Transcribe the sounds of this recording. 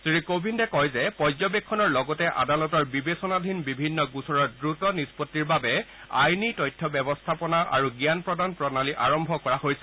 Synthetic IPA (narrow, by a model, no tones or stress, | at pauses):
siɹikobʱindɛkɔjzɛpɔzɔbekʰːɔnɔɹlɔɡɔtɛʔa̰dalɔtɔɹbibesɔnadʱinbibʱinːɔɡusɔɹɔt̚dɹutɔnispɔtːiɹbabɛ | a̰jnitɔjtʰːɔbɛbɔstʰapɔnaʔa̰ɹuɡijanpɹɔdanpɹɔnaliʔaɹɔmbʱɔkɔɹahojsɛ̥